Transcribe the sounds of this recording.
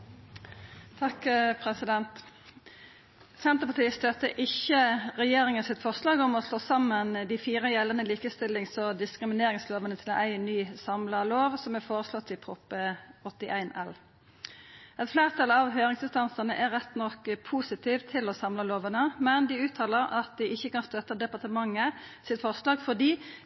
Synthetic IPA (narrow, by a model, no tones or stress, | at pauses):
t̪ʰɑkpʰʁɛsɪd̪ɛnt̪ | sɛnt̪əpɑt̪ʰiːst̪œt̪ːəʔɪçəʁɛjeːʁɪŋənsɪt̪fɔʁslɑːɡɔmɔsloːsɑmːənd̪ɪfiːʁəjɛlːənəliːkəst̪ɪlɪŋsɔd̪ɪskʁɪmɪneːɾɪŋsloːʋənət̪ʰɪl̰ʔæɪnyːsɑmlɑloːʋsɔmɛfoːʁəslɔt̪ːɪpʰɾʊpɔt̪ːɪʔæɪnɛl | ɛt̪flæːʁt̪ʰɑlɑʋɦøːʁɪŋsɪnst̪ɑnsənə̰ʔɛʁɛt̪ːnɔkpʰuːsɪt̪ʰiːʋt̪ʰɪlɔsɑmlɑloːʋənəmɛnd̪ɪʉːt̪ʰɑːləɾɑt̪̚d̪ɪʔɪçːəkɑnst̪œt̪ːəd̪ɛpɑʁt̪əmɑŋːəsɪt̪fɔʁslɑːɡfɔʁd̪iː